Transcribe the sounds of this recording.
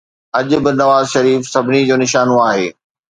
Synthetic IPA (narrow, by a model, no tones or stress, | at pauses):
ɐʄʊbɪnɐʋaːzʃɐɾiːfsɐbʱɪnid͡ʑoːnɪʃaːnoaːɦeː